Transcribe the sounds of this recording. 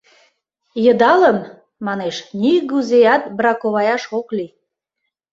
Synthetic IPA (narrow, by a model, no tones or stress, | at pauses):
jəd̪ɑləm | mɑneʃniɣuzejɑt̪̚bɾɑkoβɑjɑʃokli